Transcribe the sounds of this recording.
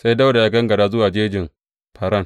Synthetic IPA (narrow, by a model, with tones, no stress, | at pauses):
sa˦jda˦wda˨ja˦ɡɐ˦ŋɡɐ˨daː˦zʊ˦waː˨d͡ʒeː˦d͡ʒɪ˨m | pɐ˨ɾɐ˦ŋ